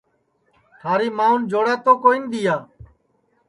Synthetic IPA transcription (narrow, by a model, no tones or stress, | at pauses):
t̪ʰaːɾiːmaːũnd͡ʒoːɽaːt̪oːkoːiːnd̪ɪjaː